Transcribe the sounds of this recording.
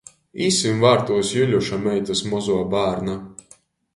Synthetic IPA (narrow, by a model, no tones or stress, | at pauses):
iːsimvaːɾt̪uɔsjylʲuʃamʲɛjt̪asmɔzuɔbaːɾna